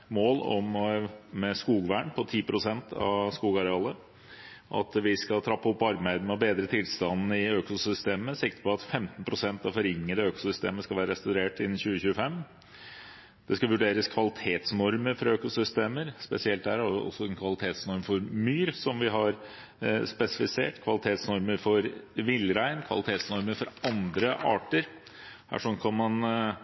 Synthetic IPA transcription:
moːlɔ̰mmɛskuːɡʋæːɳpʰɔt̪ʰiːpʰɾʊsɛnt̪ʰɑ̰skuːɡɑɾɛɑːlə | ʔɑ̰t̪ʋɪskɑlt̪ʰɾɑpːɔpːɑɾmæɪd̪ənɛɔbeːd̪ɾət̪ʰɪlst̪ɑnn̩ɪøːkʊsʏst̪eːməsɪk̚t̪ə̥pʰɔɑt̪fɛmt̪npʰɾʊsɛnt̪ɑʋfɔɾɪŋːəd̪əøːkʊ̥sʏst̪ḛːməskɑʋæːɾəɾɛst̪ɑʉɾeːʈɪnːn̩çʉːəçʉːəfɛm | d̪̥ɛskɑʋʉɖeːɾəskʰʋɑlɪt̪ʰeːt̪snɔɾməɾfɔɾɑøːkʊsʏst̪eːməɾspɛsɪɛlt̪̚dhæːɾæʊʔɔ̰sːɔɛnkʰʋɑlɪt̪ʰeːt̪snɔɾmfɔɾmyːɾsɔmʋɪɦɑɾ | spɛsɪfɪsḛːʈkʰʋɑlɪt̪ʰeːt̪snɔɾməɾfɔɾʋɪlːɾæɪnkʰʋɑ̰lɪt̪ʰeːt̪snɔɾməɾfɔɾɑnd̪ɾəʔɑ̰ːʈəɾ | hæ̰ːʂɔnkʰɑnmɑn

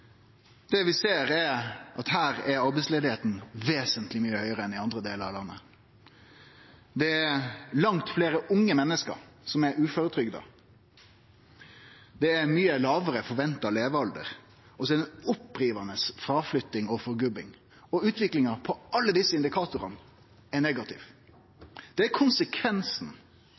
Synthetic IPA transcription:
d̪̥ɛʋɪseːɾɛʔɑt̪hæːɾɛɾɑɾbɛɪtsleːd̪ɪheːt̪n̩ʋeːsənt̪lɪmyːəhœʏəɾəɛnɪɑnd̪ɾəd̪eːləɾɑ̰ʋlɑnːə | d̪ɛælɑŋt̪fleːɾəʔʊŋːəmɛnːəskə̰ɾsɔmɛɾʉːfoːɾət̪ʰɾʏɡd̪ə̰ | d̪ɛːɾmyːəlɑːʋəɾəfɔɾʋɛnt̪ɑleːʋəɑld̪ə̰ɾ | ɔsɛd̪əɔpːɾiːʋɑnəsfɾɑːflʏt̪ːɪŋɔfɔɾɡʉbɪŋ | ɔʉːt̪ʰʋɪklɪŋɑpʰɔɑlːəd̪ɪsːəɪnd̪ɪkʰɑːt̪ʊɾɑn | ɛneɡɑt̪ʰɪ̰ʋ | d̪̥ɛækʰʊnsəkʰʋɛnsn̩

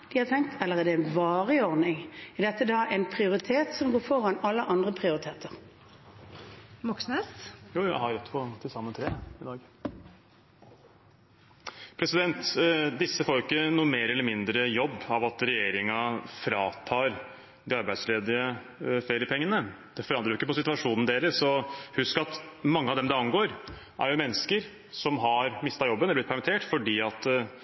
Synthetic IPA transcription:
d̪̥ɪhɑɾt̪ʰɛŋk̚t̪ʰɑlːəʁɛd̪ɛɛnʋɑːʁɪɔʁd̪nɪŋɛd̪ɛt̪ːəd̪ɑːʔɛnpʰʁɪʊʁɪt̪ʰeːt̪sɔmɡoːfɔʁɑnɑlːəʔɑnd̪ʁəpʰʁɪʊʁɪt̪ʰeːt̪əʁ | mɔksnəsjuːjæ̰hɑɾɾɛt̪ːpʰɔt̪ʰɪlsɑmːət̪ʰɾeːɪd̪ɑːɡ | pʰɾɛsɪd̪ɛnt̪d̪ɪsːəfoːɾɪkːənuːəmeːɾɛlːəmɪnd̪ɾəjɔbːɑʋɑt̪ɾɛjeːɾɪŋɑfɾɑːt̪ʰɑːɾ | d̪ɪɑɾbæɪd̪sleːd̪ɪə | feːɾɪəpʰɛŋːənə | d̪̥ɛfɔɾɑnɾɑjʊɪkːəpɔsɪt̪ʉɑʂuːnn̩d̪eːləɾsɔhʉskɑt̪mɑŋːəɑʋd̪ɛmd̪ɛɑnɡoːɾ | ʔæ̰ɾjʊmɛnːəskəɾ | sɔmɦɑɾmɪst̪ɑjɔbːəɛlb̪ɪt̪pʰæɾmɪt̪ʰeːʈfɔɖiːɑt̪

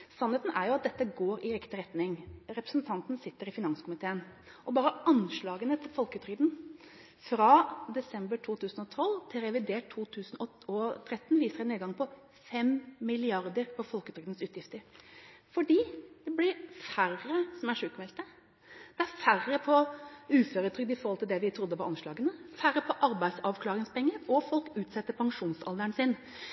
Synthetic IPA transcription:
sɑnheːt̪n̩æɾjʊɑt̪̚d̪ɛt̪ːəɡoːɾɪɾɪkt̪ɪɾɛt̪nɪŋɾɛpɾəsn̩t̪ʰɑnt̪nsɪt̪ːəɾɪfɪnɑnskʰʊmɪt̪ʰeːən | ʔɔbɑːɾəɑnʂɭɑːɡənət̪ʰɪlfɔlkəʉt̪ʰɾʏd̪n | fɾɑd̪ɛsɛmbəʈʰuːt̪ʰʉːsnɔt̪ʰɔlt̪ʰɪlɾɛʋɪd̪eːʈʰːuːt̪ʰʉːsnɔ | ɔt̪ʰɾɛt̪ːn̩ʋiːsəɾɛneːd̪ɡɑŋpʰɔ | fɛmmɪlɪɑɾd̪əɾpɔfɔlkət̪ʰɾʏkd̪ənsʉːt̪jɪft̪əɾfɔɖiːd̪̥ɛblɪɾfærəsɔmæʂʉːkmɛlt̪ə | d̪̥ɛæɾfærəpʰɔʉːføːɾət̪ʰɾʏk̚d̪əɪfɔɾhɔlt̪ɪld̪ɛʋɪt̪ʰɾʊd̪ːəʋɑɾʔɑnʂɭɑːɡənəfæɾəpʰɔʔɑɾbæɪsɑʋkʰlɑːɾɪŋspʰɛŋːəɾɔfɔlkʉːt̪sɛt̪ːəpʰɑŋʂuːnsɑ̰ld̪əɳsɪn

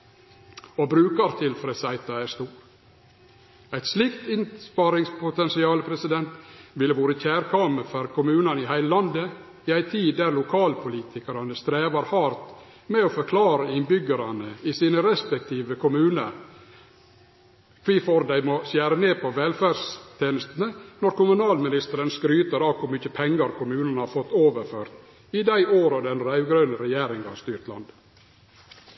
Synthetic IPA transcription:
obɾʉːkɑɾt̪ʰɪlfɾesæɪt̪ɑæst̪uːɾ | æɪt̪slɪkt̪ɪnspɑɾɪŋspʰʊt̪ɛnsɪɑːləpʰɾɛsɪd̪ɛnt̪ʋɪləʋuːɾəçæːɾkʰɑməfœɾkʰʊmʉːnɑnɪhæɪləlɑnd̪ə | ɪæɪt̪ʰiːd̪æɾlʊkʰɑːlpʰʊliːt̪ʰɪkɑɾɑnəst̪ɾeːʋɑɾhɑɾt̪ | mɛoːfɔɾkʰlɑːɾəɪnbʏɡəɾɑnəɪsiːnəɾɛspɛk̚t̪ʰiːʋəkʰʊmʉːnə̰ɾ | kʰʋiːfoɾd̪æɪmɔsjæːɾəneːpʰɔʋɛlfæɾst̪ʰeːnəst̪ənənɔɾkʊmʉnɑːlmɪnɪst̪əɾənskɾyːt̪əɾɑːkʰʊɾmʏçəpʰɛŋːəɾkʰʊmʉːnənhɑɾfɔt̪ːoːʋəɾføːɾt̪ | ɪd̪æɪoːɾɑd̪ɛnɾæʋɡɾœːnəɾɛjeːɾɪŋɡɑ̰st̪yːɾt̪lɑ̰nd̪

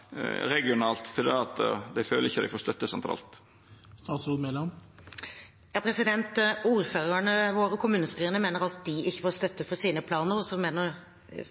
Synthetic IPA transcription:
ɾɛɡɪʊnɑːlt̪fɔɾd̪ḭːɑt̪d̪æɪføːləɾɪçːəd̪æɪfoːɾst̪œt̪ːəsɛnt̪ɾɑ̰ːlt̪ | st̪ɑːt̪sumɛlɑm | jɑːpʰɾɛsɪd̪ɛnt̪uːɾføːɾəɳəʋoːɾəkʰʊmʉːnəst̪yːɾənəmeːnəɾɑt̪d̪ɪɪçːəfɔːst̪œt̪ːəfɔɾsiːnəpʰlɑːnəɾɔsɔmeːnəɾ

